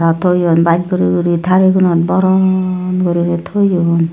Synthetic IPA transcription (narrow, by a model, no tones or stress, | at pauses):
ɾɔtʰojɔnbat̚ɡɔɾiɡuɾitʰaɾiɡunɔt̚bɔɾɔnɡɔɾinetʰojɔn